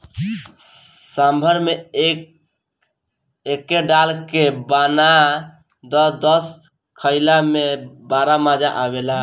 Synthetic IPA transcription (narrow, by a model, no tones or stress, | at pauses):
sambʱəɾme | ekːeɖalkebana | d̪ɔd̪ɔs | kʰəɪlamebaɾamad͡ʒaʔabela